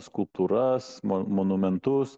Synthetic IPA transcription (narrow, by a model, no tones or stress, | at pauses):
skʊlˠp̚t̪uːɾɐsmmonʊmʲɛnt̪ʊs